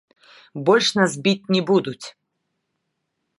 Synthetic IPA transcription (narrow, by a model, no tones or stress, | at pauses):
bɔlʲʂnas̬bʲit͡sʲnʲɛbud̪ut͡sʲ